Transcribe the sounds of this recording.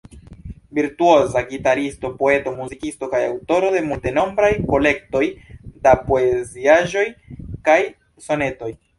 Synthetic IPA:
viɾtuo̞zaɡitaɾisto̞po̞e̞to̞muzikisto̞kajawto̞ɾo̞de̞multe̞no̞mbɾajko̞le̞k̚to̞jdapo̞eziaʒo̞jkaj | so̞ne̞to̞j

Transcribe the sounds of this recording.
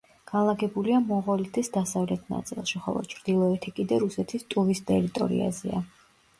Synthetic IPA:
ɡ̥anlˠaɡɛbuliamɔʁɔlit̪ʰisd̪asavlɛt̪ʰna̰t̪sʼilˠʃiχɔ̰lˠɔ̰t͡ʃʰɾd̪̥ilˠɔɛt̪ʰikʼid̪ɛɾusɛt̪ʰist̪ʼuvist̪ʼɛɾit̪ʼɔ̰ɾḭa̰zɛ̰a

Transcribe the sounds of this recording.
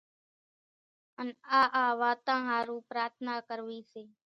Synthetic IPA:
ənaːʔaːʋaːt̪ãːɦaːɾũːpɾaːɾt̪ʰnaːkəɾʋiːseː

